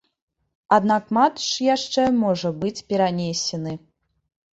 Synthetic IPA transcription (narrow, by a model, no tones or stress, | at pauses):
ad̪nakmat̪ʂjaʂt͡ʂɛmɔʐɐbɨt͡sʲpʲɛɾanʲesʲɛnɨ